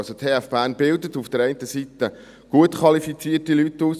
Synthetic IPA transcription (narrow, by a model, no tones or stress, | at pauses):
sot̪ʰeːæfb̥æːnbɪldətufd̥əɾɛɪntəsit̪ə | ɡ̥uətkʰʋɑlifit͡siːərtilytuːs